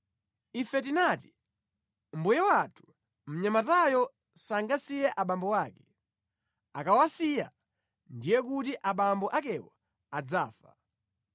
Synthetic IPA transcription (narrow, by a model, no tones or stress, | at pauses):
ifɛt̬inati̥ | m̩bujɛwatʰu̥ | m̩ɲamatajɔ | saŋɡasijɛʔaɓambɔwaːkɛ̥ | akawasija̰ | ndijɛk̬utiʔaɓambɔʔakɛwa | ad͡zaːfa̰